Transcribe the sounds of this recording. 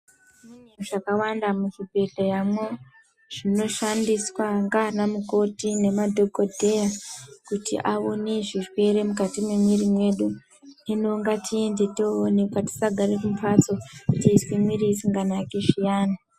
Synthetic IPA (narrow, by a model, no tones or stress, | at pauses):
ineʐ̥akawandamuʐibʱe̞ɮojamwo | ʐ̥ino̞ʃandiswaŋɡanamuko̞tine̞madʱo̞kodʱe̞jakutḭʔaoneʐirwe̞ɾe̞mukatimemweɾimwe̞ɗu | nenoŋɡatʰie̞nde̞toːne̞kwati̥saɡʱaɾekumpat͡sokutiːswimwiɾiːsiŋɡanakeʃijaːna